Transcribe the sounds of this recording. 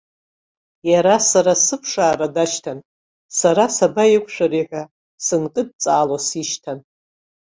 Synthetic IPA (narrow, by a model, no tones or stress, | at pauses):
jaɾasaɾasɨpʰʂaːradaʃtʰan | saɾasabajɪkʷʰʼʂʷᶣaɾiħʷa | sɨnkʼɨd̚t͡sʼaːlosiʃtʰan